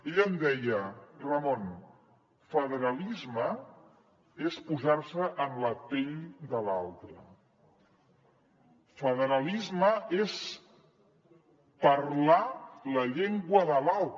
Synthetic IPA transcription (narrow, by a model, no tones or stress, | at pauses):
eʎənd̪ɛjərəmon | fəðəɾəlizmə | espuzaɾsəʔənləpeʎd̪əlalˠt̪ə | fəðəɾəlizməes | pəɾlaləʎeŋɡwəðəlalˠt̪